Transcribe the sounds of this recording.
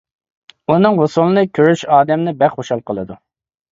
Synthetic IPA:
unɨŋɦosulˠɨnɨkʲʰøɾyʃɑːd̪ɛmnɪbɛχoʃɑlˠqʰəlˠɨd̪u

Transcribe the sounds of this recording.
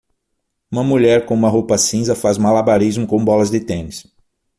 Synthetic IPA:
ũmɐmuʎɛɾkõũmɐɦopɐsĩzɐfazumalabaɾizmʊkõbɔlɐzd̪ɪt̪ẽnɪs

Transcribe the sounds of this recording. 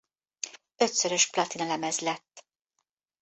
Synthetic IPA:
ø̞t̪søɾø̞ʃplɒt̪inɒlɛmɛzlɛt̪ː

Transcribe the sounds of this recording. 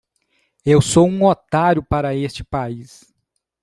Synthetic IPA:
ewsowũot̪aɾjʊpaɾɐest͡ʃɪ̥pais

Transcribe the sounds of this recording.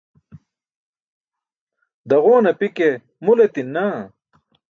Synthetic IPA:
d̪ɐʁoːnɐpike | mulet̪inːa

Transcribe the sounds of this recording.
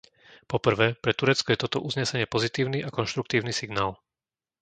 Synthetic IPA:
pɔpr̩ʋɛːpɾɛt̪uɾɛt͡skɔjɛt̪ɔt̪ɔʔuzɲɛsɛɲɪɛpɔzit̪iːʊniʔakɔnʃt̪ɾuk̚t̪iːʊnisiɡnaːl

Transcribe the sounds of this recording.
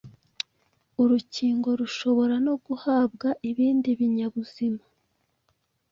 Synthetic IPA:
uɾuciːŋɡo̞ɾuʃo̞βo̞ɾano̞ɡuhaːbɡaʔiβiːndiβiɲaβuz̥ima

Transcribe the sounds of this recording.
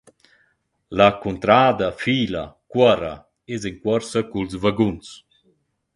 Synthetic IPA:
lakunt̪ɾaːd̪afiːlakwaɾa̰ | eziŋkwɔɾsakulzvaɡuns

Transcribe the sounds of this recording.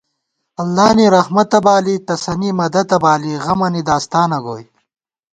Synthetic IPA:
ɐlːaːniɾɐhmɐt̪ɐbaːlit̪ɐsɐnimɐd̪ɐt̪ɐbaːliɣɐmɐnid̪aːst̪aːnɐɡo̰ːj

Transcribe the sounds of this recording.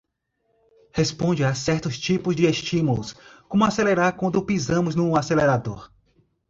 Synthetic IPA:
hespõd͡ʒɪasɛɾt̪ʊst͡ʃipʊzd͡ʒɪest͡ʃĩmulʊ̰skõmʊaseleɾaɾkwɐ̃nd̪ʊpizɐ̃mʊznũaseleɾad̪oɾ

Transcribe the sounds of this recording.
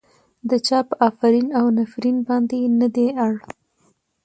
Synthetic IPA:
d̪ət͡ʃɑpəʔafaɾinawnafɾinbɑnd̪enəd̪eaɽ

